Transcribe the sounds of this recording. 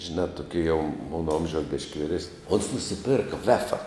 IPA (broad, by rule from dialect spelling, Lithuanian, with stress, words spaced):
ʒʲɪˈnɑː tʊˈkʲiɛ jɛʊ ˈmoːnɐ ˈoːmʲʒʲɛʊs bʲɪʃʲkʲ ʋʲɪˈrʲæːsʲnʲɪ oːns nʊsʲɪˈpʲɪrkɐ ˈʋʲæːfɐ